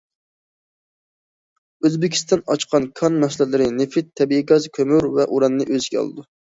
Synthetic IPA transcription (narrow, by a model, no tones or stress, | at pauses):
øzbɪkʲʰi̥st̪ɑnɑt͡ʃqʰɑnkʰɑnmɛsɪlɛlɪɾɪnɪfɪt̪ʰːɛbiiɡɑzkʲʰømyɾvɛʔuɾɑnːɨʔøzɡʲɛɑ̰lˠɨ̰d̪u